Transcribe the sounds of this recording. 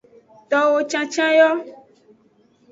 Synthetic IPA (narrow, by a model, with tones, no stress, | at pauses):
t̪ɔ˨wo˦t͡ʃã˦t͡ʃã˦jɔ˦